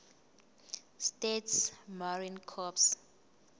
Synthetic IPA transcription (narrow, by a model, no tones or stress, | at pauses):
stetsmaɹinkʰɔps